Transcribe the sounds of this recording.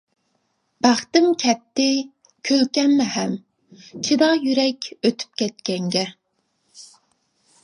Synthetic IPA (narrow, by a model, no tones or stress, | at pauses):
b̥æχt̪ɪmkʲʰɛp̚t̪ːɪ | kʲʰølkʲɛnmɛhɛm | t͡ʃʰid̪ɑjyɾɛkʲøt̪ʰy̥p̚kʲʰɛt̪̚kʲɛŋɡʲɛ